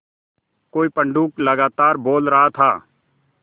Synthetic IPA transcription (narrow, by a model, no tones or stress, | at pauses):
koːipə̃ɳɖuːkləɡaːt̪aːɾboːlɾəɦat̪ʰaː